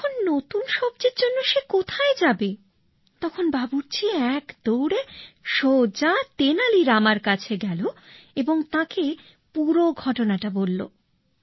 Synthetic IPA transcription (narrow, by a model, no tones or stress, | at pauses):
kʰonːot̪unʃɔb̚d͡ʑeɾd͡ʑonːoʃekot̪ʰaed͡ʑabe | t̪ɔkʰonbabuɾt͡ɕʰiɛkd̪̥owɽeʃod͡ʑat̪enaliɾamaɾkat͡ɕʰeɡɛloeboŋt̪ãke | puɾoɡʱɔʈonaʈabolːo̰